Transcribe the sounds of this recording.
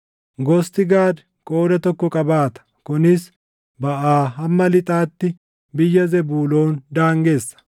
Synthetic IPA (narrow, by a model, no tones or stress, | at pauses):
ɡɔst̪ɪɡaːd̪ | kʼoːd̪ɐt̪ɔkːɔkʼɐbaːt̪ɐ̥kɔnɪs | bɐʔaːɦɐmːɐlɪt̪ʼaːt̪ːɪ | bɪjːɐzɛbuːloːnd̪aːŋɡe̞ːsːɐ̥